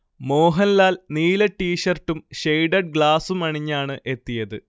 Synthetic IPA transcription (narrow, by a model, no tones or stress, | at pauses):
mo̞ːɦɐnlaːlniːlɐʈːiːʂɐrʈːumɕejɖɐɖ̚ɡɭaːsumɐɳiɲːaːɳɨʔe̞t̪ːijɐðɨ